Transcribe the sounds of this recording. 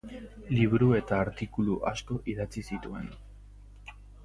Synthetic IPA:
liβɾue̞t̪aːɾt̪ikuluʔasko̞ʔiðat͡sisit̪ue̞n

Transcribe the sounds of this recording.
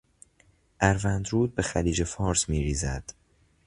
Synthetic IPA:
ʔæɾvænd̪ɾuːd̪̚be̞xæliːd͡ʒe̞fɒːɾsmiːɾiːzæ̰d̪̥

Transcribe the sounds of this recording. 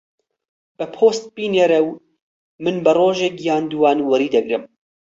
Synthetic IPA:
b̥ɨpʰoːst̪̚piːneːɾɛw | mɨnbɨroːʒeːkjaːnd̪uwɑːnwɐɾiːd̪ɐɡɾɨm

